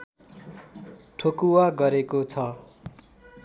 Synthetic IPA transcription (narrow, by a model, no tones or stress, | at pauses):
ʈʰokuwaɡʌɾekot͡sʰʌ